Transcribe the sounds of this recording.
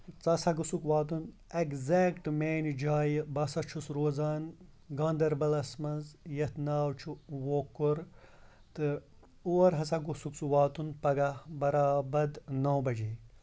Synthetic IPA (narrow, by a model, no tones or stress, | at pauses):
t͡sɐsɐɡusukʋaːt̪̬un | eɡzekʈmeːnd͡ʒaːjbɐsɐt͡ʃʰusɾoːzaːn | ɡɐːnd̪ɐɾbɐlɐsmɐnzjɐt̪naːwt͡ʃʰuʋokːuɾ | t̪ɨ | uːɐɾɦɐs̬ɐɡusuksuʋaːt̪unpɐɡɐbɐɾaːbɐd̪nɐwbɐd͡ʒiː